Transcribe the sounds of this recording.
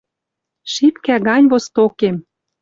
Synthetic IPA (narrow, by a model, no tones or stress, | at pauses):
ʃipkæɣɑnʲβost̪okem